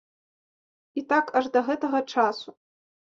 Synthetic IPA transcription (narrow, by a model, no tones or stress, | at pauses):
it̪akʰɐʐd̪ɐɣɛt̪ɐɣɐt͡ʂasu